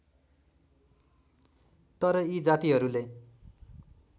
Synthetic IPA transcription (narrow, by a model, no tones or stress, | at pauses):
t̪ʌɾʌid͡zat̪iɦʌɾule